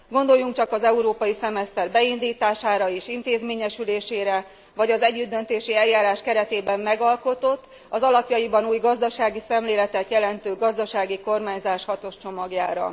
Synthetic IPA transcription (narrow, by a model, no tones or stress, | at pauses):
ɡo̞nd̪o̞jːuŋk̚t͡ʃɒkɒzɛuɾoːpɒjisɛmɛst̪ɛrbɛind̪iːt̪aːʃaːɾɒeːʃint̪eːzmeːɲɛʃyleːʃeːɾɛ | vɒɟɒzɛɟːyd̪ːø̞nt̪eːʃiɛljːaːɾaːʃkɛɾɛt̪eːbɛmːɛɡɒlko̞t̪o̞t̪ː | ɒzɒlɒpjɒjibɒnuːjɡɒzd̪ɒʃaːɡisɛmleːlɛt̪ɛt̪jɛlɛnt̪øːɡɒzd̪ɒʃaːɡiko̞rmaːɲzaːʃhɒt̪o̞ʃt͡ʃo̞mɒɡjaːɾɒ̰